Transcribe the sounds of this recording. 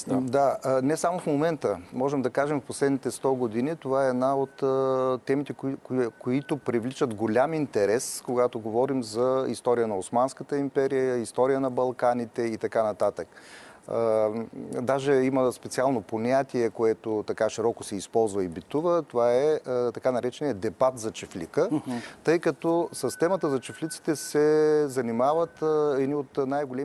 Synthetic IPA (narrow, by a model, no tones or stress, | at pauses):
d̪anɛsamofmomɛnt̪əmɔʒɛmd̪ɐkaʒɛmfposlɛd̪nit̪ɛst̪ɔɡod̪init̪ovaɛːd̪naot̪əːɛmit̪ɛkkoit̪opɾivlit͡ʃət̪ɡolʲamint̪ɛɾɛskoɡat̪oɡovɔɾimzɐḭst̪ɔɾijənɐosmanskət̪əimpɛɾijəəist̪ɔɾijənɐbɐlˠkanit̪ɛit̪ɐkanɐt̪at̪ək | d̪aʒɛiməspɛt̪sialˠnoponʲat̪iɛkoɛt̪ot̪ɐkaʃiɾɔkosɛispɔlˠzvəibit̪uvət̪ovaɛt̪ɐkanɐɾɛt͡ʃɛniəd̪ɛbat̪zɐt͡ʃɛflḭkət̪ɤjkɐt̪ɔsɐst̪ɛmət̪əzɐt͡ʃɛflʲit̪si̥t̪ɛsɛzɐnimavət̪ɛd̪niot̪najɡolɛ